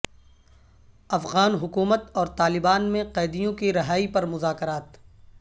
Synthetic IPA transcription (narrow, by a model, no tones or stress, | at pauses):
ɐfɣaːnɦʊkuːmət̪ɔːɾt̪aːlɪbaːnmẽqɛːd̪ijõkiɾɐɦaːipɐɾmʊzaːkəɾaːt̪